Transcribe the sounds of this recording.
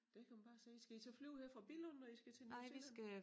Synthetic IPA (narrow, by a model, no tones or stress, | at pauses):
d̥ekʰæmænb̥ɑ̈ːsiːisɡ̥æit͡sʰeflyʊheɐ̰fʁɑ̈b̥ilɔnnɒisɡ̥æt͡sʰenɪ̰ʋisɡ̥æ